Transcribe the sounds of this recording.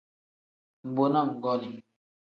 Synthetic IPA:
m̩˨ɡ͡bo˨na˦˨ŋ̩˨ɡɔ˦ni˨

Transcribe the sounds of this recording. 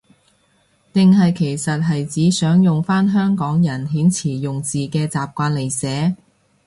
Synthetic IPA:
t̪ɪ˨ŋɦɐ˨jkʰe˨˩jsɐ˨t̚ɦɐ˨jt͡siː˨˥sœː˨˥ŋjʊ˨ŋfaː˥nɦœː˥ŋkɔː˨˥ŋjɐ˨˩nɦiː˨˥nt͡sʰiː˨˩jʊ˨ŋt͡siː˨kɛː˧t͡saː˨p̚kʷaː˧nle˨˩jsɛː˨˥

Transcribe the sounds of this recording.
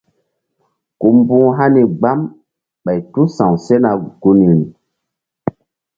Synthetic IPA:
ku˨mbũ˦ɦa˦ni˨ɡ͡ba˦m | ɓa˨jtu˦sã˨wse˦na˨ɡ̥u˦ni˨ni˨

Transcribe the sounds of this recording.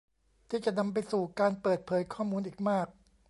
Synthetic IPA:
t̪ʰiː˥˩t͡ɕa˨˩na˧mpa˧jsuː˨˩kaː˧npɤː˨˩t̪̚pʰɤː˨˩˦jkʰɔː˥˩muː˧nʔiː˨˩k̚maː˥˩k̚

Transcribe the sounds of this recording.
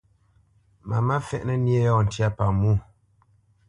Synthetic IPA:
ma̰˨ma˦fɛ̰˦ʔnɛ˦˨nje˦jɔ˦˨n̩˨tja˦˨pa˨mu˦˨

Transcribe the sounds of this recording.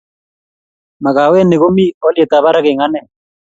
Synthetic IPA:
ma˨ka˨wɛ˦ne˨ko˦mi˦ɔ˦lje˨t̪a˨βa˦ɾa˦kɪ˨ŋa˦nɛ˦˨

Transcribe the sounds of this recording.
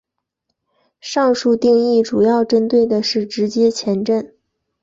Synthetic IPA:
ʂɑ˥˧ŋʂu˥˧t̪i˥˧ŋi˥˩ʈ͡ʂu˨˩jɑ˥˩ʊʈ͡ʂə˥nt̪we˥˩ɪd̪ə˩ʂɻ̩˥˩ʈ͡ʂɻ̩˧˥t͡ɕjɛ˥t͡ɕʰjɛ˧˥nʈ͡ʂə˥˩n

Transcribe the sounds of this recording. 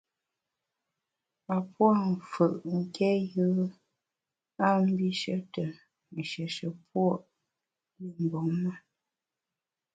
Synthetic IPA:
a˨pwa˦˨m̩˨fə˨ʔŋ̩˦˨kʰɛ˦jə˦ | a˦m̩˦bi˦ʃə˦tə˨ | n̩˨ʃə˨ʃə˨pwɔ˦˨ʔ | li˨m̩˨bo˨˦ŋma˦

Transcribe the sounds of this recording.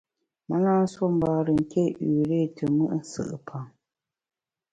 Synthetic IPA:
ma˦na˦so˦m˦ba˨ɾɨ˨ŋ̩˨kʰe˦ʔʉ˨ɾe˦˨tʰɨ˨mɨ˦ʔn̩˦sɨ̰˨ʔɨ̰˨pʰa˨ŋ

